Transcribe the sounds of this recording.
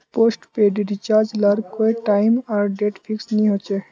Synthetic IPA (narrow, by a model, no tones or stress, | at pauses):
poːsʈpeɖiɖit͡ʃaːɾd͡ʒləɾkoiʈaːɪmɔːɾɖeʈpʰɪksnĩɦot͡ʃe